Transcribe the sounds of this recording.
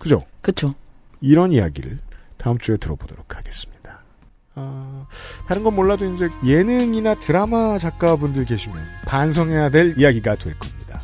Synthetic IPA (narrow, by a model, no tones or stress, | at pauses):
kɯd͡ʑo̰kɯt͡ɕʰoiɾʌnija̰ɡḭɾɯ̰ɭtaɯmt͡ɕ͈ue̞tɯɾʌbodoɾokʰaɡe̞s͈ɯ̥mɲid̥a | a | taɾɯnɡʌnmoɭːadoind͡ʑe̞je̞nɯŋinatɯɾamat͡ɕak͈̚abundɯɭke̞ɕʰimjʌnpans̬ʰʌŋɦe̞jadwe̞ɭijaɡiɡatwe̞ɭk͈ʌmɲida